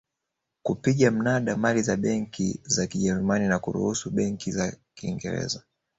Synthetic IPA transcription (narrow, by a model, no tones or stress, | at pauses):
kupiɠam̩naɗamalizaɓɛŋkizakiʄɛɾumaninakṵɾṵhusuɓɛŋkizakiŋɡɛ̰ɾɛ̰za